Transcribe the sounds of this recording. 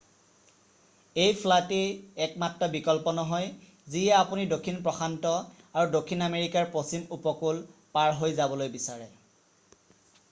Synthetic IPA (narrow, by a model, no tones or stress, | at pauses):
ejpʰlateɛk̚matɹɔbikɔlpɔnɔɦɔj | zijaːpunidokʰːinpɹɔxʰantɔ | aɹudokʰːinameɹikaɹposimupɔkulpaɹɦojzabɔlojbisaɹɛ